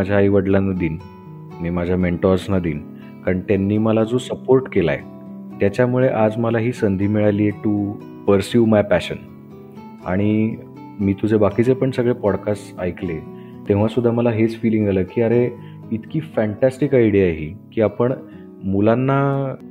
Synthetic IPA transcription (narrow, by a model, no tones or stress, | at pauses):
ad͡ʑʱjaiʋəɽland̪iːn | miːmad͡ʑʱjameɳʈɔɾsnad̪iːn | kaɾəɳt̪anːiːməlad͡zosəpoɾʈkela̰ḛ | t̪jat͡ɕjamuɭeʔad͡zməlaɦiːsənd̪ʱiːmiɭalieʈu | pəɾsjumajpæɕən | a̰ɽ̃i | miːt̪ud͡zʱebakit͡sepəɳsəɡɭepɔɽkasajkle | t̪ẽʋ̤asud̪ʱːaməlaɦet͡sfiliŋɡaləːkiːəɾe | it̪kiːfæ̃ɳʈæsʈikajɽiaɦikiːapəɳ | mulanːa